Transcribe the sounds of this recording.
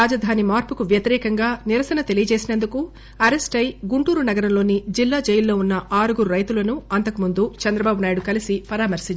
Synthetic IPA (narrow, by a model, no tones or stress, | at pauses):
aːd͡ʒɐd̪ʱaːnimaːɾpukuʋjɐt̪iɾɛːkɐŋɡaːniɾɐsɐnɐt̪e̞lijɐt͡ʃe̞ːsinɐnd̪uku | ɐɾe̞sʈɐjɡuɳʈuːɾunɐɡɐɾɐmlo̞ːnid͡ʒilːaːd͡ʒejɐlːo̞ːunːɐʔaːɾuɡuɾuɾɐjt̪ulɐnuɐnt̪ɐkumund̪ut͡ʃɛnd̪ɾɐbaːbunaːjiɽukɐlisipɐɾaːmɐɾsiɲ